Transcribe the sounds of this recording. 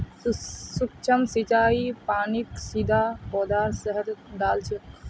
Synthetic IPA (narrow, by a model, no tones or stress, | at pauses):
sukt͡ʃʰəmsit͡ʃaːipaːniksid̪ʱabɔːd̪aːɾsəɦəɾd̪aːlt͡ʃʰɛ